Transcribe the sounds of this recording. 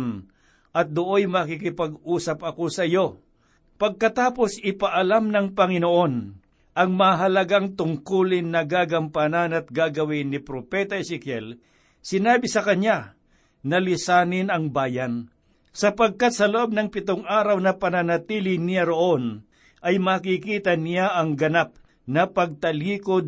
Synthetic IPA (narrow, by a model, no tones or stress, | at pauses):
n | ʔɐt̪̚d̪ʊʔojmɐkikɪpɐɡuːsɐpɐkosɐjo̞ | pɐɡ̚kɐt̪aːpo̞sɪpaʔɐlamnɐŋpɐŋɪnoʔo̞n | ʔɐŋmɐaɦɐlɐɡaŋt̪ʊŋkulɪŋnɐɡaːɡɐmpananɐt̪̚ɡaɡɐwɪnɪpɾopɛt̪ɐɛsɪkjɛl | sɪnaːbɪsɐkɐɲa | nɐlɪsaːnɪnɐŋbaːjɐn | sɐpɐɡ̚kat̪̚sɐloʔo̞b̚nɐŋpɪt̪oŋʔaːɾɐwnɐpɐnɐnɐt̪iːlɪnɪjaɾo̞ʔo̞n | ʔɐjmɐkikiːt̪ɐnɪjaʔɐŋɡɐnap̚ | nɐpɐɡ̚t̪ɐliːkod̪̚